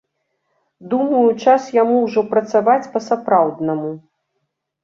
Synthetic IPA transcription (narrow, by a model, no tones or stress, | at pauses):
d̪umɐjut͡ʂasjamuwʐɔpɾɐt̪savat͡sʲpɐsapɾawd̪nɐmu